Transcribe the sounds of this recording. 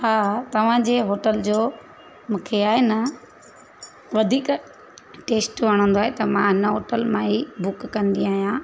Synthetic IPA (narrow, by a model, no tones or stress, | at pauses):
haːt̪ɐʋ̤ãd͡ʑeːɦoːʈəld͡ʑoː | mũːkʰeaːɦenɐ | ʋɐd̪ʱiːk | ʈeːsʈʋɐɽ̃ə̃nd̪oaːɦet̪ɐmãɦɪnəɦoːʈəlmãibʊkːɐ̃nd̪iaːɦijãː